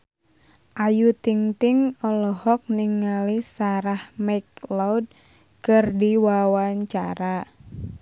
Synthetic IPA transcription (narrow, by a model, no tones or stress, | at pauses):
ʔajut̪iŋt̪ɪŋɔlɔhɔk̚niŋːalisaɾahmaklawd̚ | kɨrdiwawaɲt͡ʃaɾa